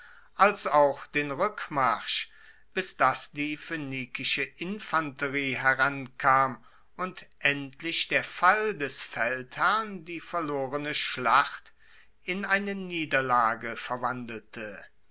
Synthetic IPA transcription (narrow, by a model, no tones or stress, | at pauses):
ʔalsaʊxd̥eːnʁʏkmaʁʃ | b̥ɪsd̥asd̥iːføniːkɪʃəʔɪnfantəʁiːɦɛʁankʰaːm | ʊntʔɛntʰlɪʃd̥eːɐfaldɛsfɛlthæɐndiːfɛɐloːʁənəʃlaχt | ʔɪnaɪnəniːdɐlaːɡəfɛɐvandl̩tʰə